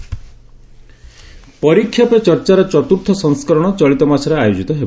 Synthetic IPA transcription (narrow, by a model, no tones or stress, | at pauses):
pɔɾikʰːjɔpet͡ʃɔɾt͡ʃaɾet͡ʃɔt̪uɾt̪ʰɔsɔŋskɔɾɔɽ̃ɔt͡ʃɔɭit̪ɔmasʰɔɾeajod͡ʒit̪ɔɦeb